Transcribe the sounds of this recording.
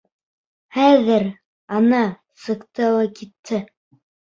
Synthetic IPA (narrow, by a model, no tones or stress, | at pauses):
χæðɘɾ | ɑnɑ | sɤ̆qt̪ɤwɑkit̪ʰːɘ